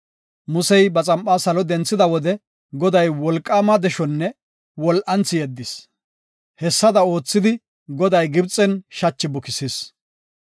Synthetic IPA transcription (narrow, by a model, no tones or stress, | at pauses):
mʊsɛjbɐt͡sʼɐmpʼaːsɐlɔd̪ɛnt͡sːɪd̪ɐwɔd̪ɛ | ɡɔd̪ɐjwɔlkʼːaːmɐd̪ɛʃɔnːɛ | wɔlʔɐnt͡sːɪjɛd̪ːɪs | hɛsːɐd̪ɐo̞ːt͡sːɪd̪ɪ | ɡɔd̪ɐjɡɪbt͡sʼɛnʃɐt͡ʃːɪbʊkɪsis